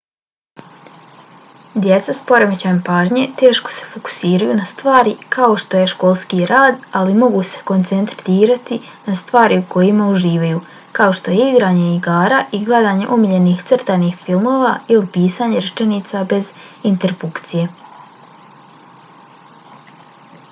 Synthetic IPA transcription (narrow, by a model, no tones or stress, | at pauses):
d̪jet̪saspo̞ɾemet͡ɕanpaːʒɲe̞t̪e̞ːʃko̥se̥foku̥siːɾajunast̪ʋaːɾikao̞ʃt̪o̞je̞ʃko̞ːlˠskiɾaːd̪alimo̞ɡuse̥ko̞nt̪sent̪iːɾat̪i | nast̪ʋaːɾiuko̞jimauʒiːʋajuː | kao̞ʃt̪o̞jeiɡɾaːɲe̞iɡaːɾaːʔiɡled̪aːɲe̞ʔumiʎe̞niːxt̪srt̪aniːxfilˠmoːʋailipiːsaːɲe̞ɾt͡ʃeniːt̪sabe̞zint̪e̞ɾpukt̪sije̞